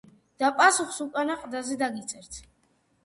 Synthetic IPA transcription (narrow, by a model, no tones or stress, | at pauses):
d̪̥apʼasuχsukʼanaqʼd̪azɛd̪aɡit̪sʼɛɾt̪ʰ